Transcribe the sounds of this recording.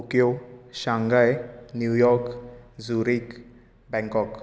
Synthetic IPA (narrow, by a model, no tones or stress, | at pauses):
okjoʃãŋɡajnjujɔɾkzuɾik | bɛ̃ŋkɔk